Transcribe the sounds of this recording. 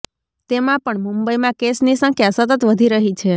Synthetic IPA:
t̪emãpəɳmũmbəimãkesnisə̃ŋkʰjasət̪ət̪ʋəd̪ʱiɾəɦit͡ʃʰe

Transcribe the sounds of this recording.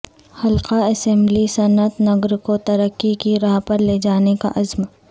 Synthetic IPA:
hɐlqaɐsɛ̃ːmblisɐnət̪nɐɡɾkot̪ɐɾəkːikiɾaːɦpɐɾleːd͡ʒaːneka̰ʔɐzm

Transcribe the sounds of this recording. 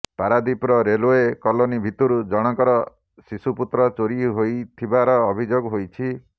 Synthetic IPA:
paɾad̪ipɾɔɾeloekɔlonibʱit̪uɾud͡ʒɔɽ̃ɔkɔɾɔ | sisuput̪ɾɔt͡ʃoɾiɦojt̪ʰibaɾɔːbʱid͡ʒoɡɦojt͡ʃʰi

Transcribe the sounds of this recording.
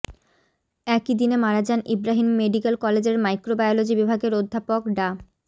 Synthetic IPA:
ɛkid̪inemaɾad͡ʑanibɾaɦimːeɖikelkɔled͡ʑeɾmajkɾobajolod͡ʑibibʱaɡeɾod̪ʱːapokɖa

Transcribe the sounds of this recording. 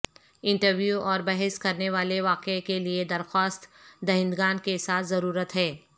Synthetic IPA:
ɪ̃ɳʈəɾʋjuʔɔːɾbɐɦɛskɐɾneʋaːleʋaːqekelied̪ɐɾxaːst̪d̪ɐɦɪ̃nd̪ɡaːnkesaːt̪ʰzɐɾuːɾət̪ɦɛː

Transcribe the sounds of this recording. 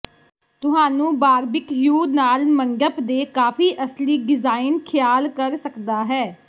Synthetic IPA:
t̪ʊɦaːnũːbaːɾbɪkjuːnaːlməŋɡəpd̪eːkaːpʰiːʔəsliːɖɪzaːɪnkʰɪjaːlkəɾsəkd̪aːɦɛː

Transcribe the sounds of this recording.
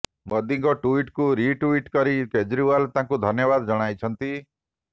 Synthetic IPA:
mɔd̪iŋɡɔʈuiʈkuɾiʈuiʈkɔɾiked͡ʒɾiwalt̪ãŋkud̪ʱɔnjɔbad̪ɔd͡ʒɔɽ̃ajt͡ʃʰɔnt̪i

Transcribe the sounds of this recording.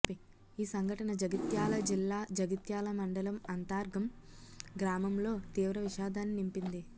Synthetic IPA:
i | iːsɐŋɡʱɐʈɐnɐd͡ʒɐɡit̪jaːlɐd͡ʒilːaːd͡ʒɐɡit̪jaːlɐmɐɳɖɐlɐmɐnt̪aːɾɡʱɐm | ɡɾaːmɐmlo̞ːt̪iːʋɾɐʋiʃaːd̪ʱaːnːinimpind̪i

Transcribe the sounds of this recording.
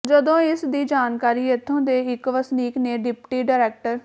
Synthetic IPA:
d͡ʒəd̪õːɪsd̪iːd͡ʒaːnkaːɾiːət̪ʰːõːd̪eːɪkʋəsniːkneːɖɪpʈiːɖaːɾɛːk̚ʈəɾ

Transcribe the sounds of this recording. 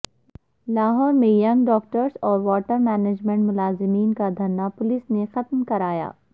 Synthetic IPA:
laːɦɔːɾmẽjɐ̃ŋɡɖɔːk̚ʈəɾsɔːɾʋɔːʈəɾmɛːned͡ʒmẽɳʈmʊlaːzɪmiːnkad̪ʱɐnːapʊlɪsnexɐt̪mkɐɾaːja̰ː

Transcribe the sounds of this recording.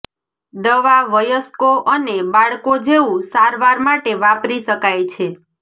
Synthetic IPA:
d̪əʋaʋəjəskoʔənebaɭkod͡ʒeũsaɾʋaɾmaʈeʋapɾiʃəkajt͡ʃʰe

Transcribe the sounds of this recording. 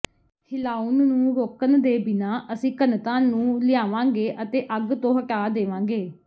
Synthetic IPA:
hɪlaːunːũːɾoːkənd̪eːbɪnaːʔəsĩːkənt̪ãːnũːlɪjaːʋãːɡeːʔət̪eːʔəɡt̪õːɦəʈaːd̪eːʋãːŋɡeː

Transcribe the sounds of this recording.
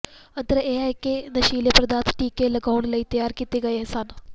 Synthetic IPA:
ɐnt̪ɐɾɐʔeajkenɐʃiːljɐprɐd̪aːt̪ʰʈiːkːelɐɡɐwɳɖilɐjt̪ɐjaːɾkʲːit̪ːiɡɐjeɦɐsaːn

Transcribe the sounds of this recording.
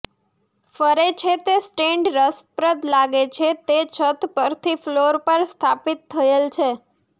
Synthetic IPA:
fəɾet͡ʃʰet̪esʈeɳɖɾəspɾəd̪laɡet͡ʃʰet̪et͡ʃʰət̪pəɾt̪ʰifloɾpəɾst̪ʰapit̪ʰːəelt͡ʃʰe

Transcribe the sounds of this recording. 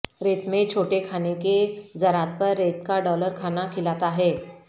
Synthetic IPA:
ɾet̪met͡ɕʰoʈekʰaneked͡zəɾat̪̚pəɾːet̪kaɖɔləɾkʰanakʰilat̪aɦe

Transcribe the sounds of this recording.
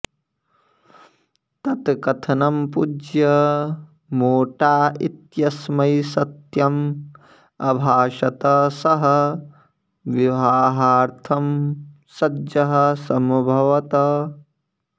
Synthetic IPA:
t̪ɐt̪kɐt̪ʰɐnɐmpud͡ʒjɐ | moːʈaːit̪jɐsmɐjsɐt̪jɐm | ɐbʱaːʃɐt̪ɐsɐɦɐ | ʋiʋaːɦaːɾt̪ʰɐm | sɐdjɐɦɐsɐmbʱɐʋɐt̪ɐ

